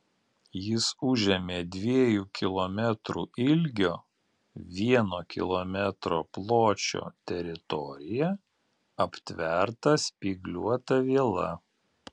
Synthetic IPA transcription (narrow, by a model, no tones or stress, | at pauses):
jɪsʊʒʲɛmʲeːd̪ʲʋʲiɛjuːkʲɪlˠomʲɛt̪ɾuɪlʲɡʲoː | ʋʲiɛnoːkʲɪ̰lˠɔmʲɛt̪ɾo̰ːplˠoːt͡ʃʲo̰ːt̪ʲɛɾʲɪt̪ɔɾʲɪjɛ | ɐpʲt̪ʲʋʲɛɾt̪ɐsʲpʲiːɡlʲuɔt̪ɐʋʲiɛlˠɐ̰